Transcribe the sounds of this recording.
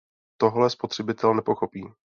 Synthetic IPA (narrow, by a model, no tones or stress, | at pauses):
t̪o̞ɦlɛspo̞t̪r̝̥ɛbɪt̪ɛlnɛpo̞xo̞piː